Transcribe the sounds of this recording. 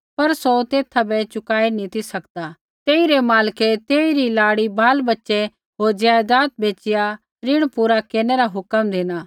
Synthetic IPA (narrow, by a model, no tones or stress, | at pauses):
pɐɾsot̪eːt̪ʰabɛt͡ʃʊkaːinĩt̪ʰisɐkd̪a | t̪eːiɾemaːlkɛt̪eːiɾilaːɽibaːlbɐtːʃɛ | ɦoːɾd͡ʒjaːjd̪aːt̪̚bʱeːt͡ʃɪja | ɾɪɽ̃puːɾakeːneɾaɦʊkəmd̪eːnaː